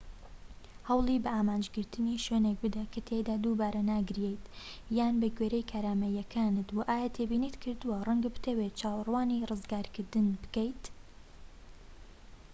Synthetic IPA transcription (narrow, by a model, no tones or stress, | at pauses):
hɐwlˠibɐaːmaːnd͡ʒɡɨɾt̪ʰɨniːʃweːnek̚bɨd̪ɐkʰɐt̪ʰed̪aːd̪ubaːɾɐnaːɡɨɾjejt̪ | jaːnbɐɡweːɾejkʰaːɾaːmɐjɛkʰaːnɨt̪waʔaːjat̪ʰebiːniːt̪kʰɨɾd̪uwɐrˤɐŋɡɐbɨ̥t̪ʰɐwet͡ʃaːwrˤwaːnirɨzɡaːɾkʰɨɾd̪ɨnbɨ̥kɐjt̪